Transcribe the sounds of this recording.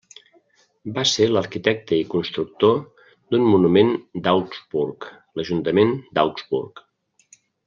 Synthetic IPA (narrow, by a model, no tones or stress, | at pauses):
baseləɾkit̪ɛk̚t̪əikunst̪ɾuk̚t̪o | d̪unmunumend̪awkzbuɾk | ləʒunt̪əmend̪awkzbṵɾk